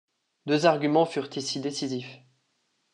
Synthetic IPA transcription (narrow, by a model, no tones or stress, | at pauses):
d̪øzaʁɡʲymɑ̃fyʁt̪isid̪esizif